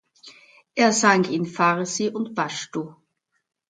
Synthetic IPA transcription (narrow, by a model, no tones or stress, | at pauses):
ʔeːɐzaŋkinfaʁəsiʔʊntb̥aʃtu